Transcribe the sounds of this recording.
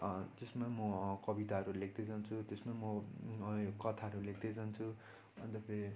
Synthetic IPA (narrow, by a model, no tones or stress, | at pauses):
d͡zesmamʌkʌbit̪aɦʌɾulek̚d̪et͡sʌnt͡sʰut̪esmamʌ | kʌt̪ʰaɦʌɾulekd̪et͡sʌnt͡sʰu | ʌt̪ʌpei